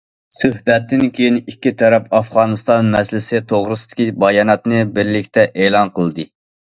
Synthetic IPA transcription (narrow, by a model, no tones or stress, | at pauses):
søhbɛt̪ːɪnkʲʰøjinikʲːit̪ʰɑɾɛpɑfʁɑːnɨst̪ɑnmɛslɪsɪt̪ʰoʁɾɨsɨd̪̥ɪ̥kʲibɑjɑnɑt̪nɨbɪɾlɪkʲt̪ʰɛʔeːlˠɑnqəlˠd̪ɨ